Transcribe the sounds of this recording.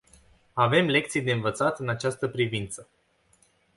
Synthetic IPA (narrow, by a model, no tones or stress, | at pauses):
ave̞mle̞k̚t̪sijd̪eɨnvət̪sat̪ɨnat͡ʃast̪əpɾivint̪sə